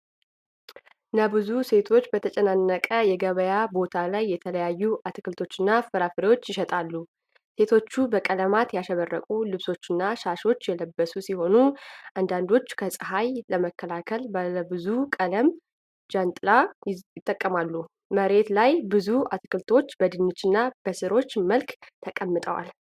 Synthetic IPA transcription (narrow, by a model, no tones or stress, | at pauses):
nəbɨzuse̞t̪ʰo̞t͡ʃːbət̪ʰət͡ʃʼɛnanːəkʼəjɛɡəβəjabo̞t̪ʰalajːɛt̪ʰələjajːuʔat̪kɨlt̪ʰo̞t͡ʃːɨnːafɨɾafɨɾewo̞t͡ʃːjɪʃɛt̪ʼalːu | se̞t̪ʰo̞t͡ʃːubəkʼələmat̪jaʃɛβərːəkʼulɨβso̞t͡ʃːɨnːaʃaʃo̞t͡ʃːjɛləbːəsusiho̞nuʔand̪and̪o̞t͡ʃːkʰəsʼɨɦajləməkʰːəlakʰəlbələbɨzukʼələm | d͡ʒant̪ʼɨlajɪt̪ʼːəkʼːəmalːu | məɾe̞t̪lajbɨzuat̪ʰkɨlt̪ʰo̞t͡ʃːbəd̪ɨnːɨt͡ʃːɨnːab̥əsɨɾo̞t͡ʃːməlkt̪ʰəkʼəmːɨt̪ʼə̰wa̰l